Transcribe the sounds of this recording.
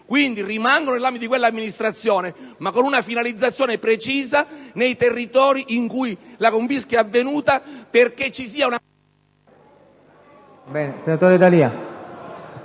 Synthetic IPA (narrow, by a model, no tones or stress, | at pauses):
kwind̪irimaŋɡononelambit̪d̪ikwelːamːinist̪ɾat̪sːjoːnemakːonunafinalid̪zːat̪sːjoːnepɾet͡ʃiːzanejt̪erːit̪ɔːɾiʔiŋkujlakoɱfiskjaavːenuːt̪aperket͡ʃːisiːauna | bɛːnesenat̪oːɾed̪alia